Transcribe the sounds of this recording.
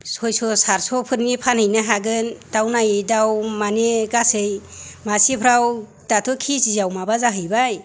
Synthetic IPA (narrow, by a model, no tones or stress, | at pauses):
sɔjsɔsaɾsɔpʰɯɾnipʰanhɯjnaɦaɡɯndawnajdawmaneɡasɯjmasipʰɾaw | datʰɔkʰisizawmabazaɦɯjbaj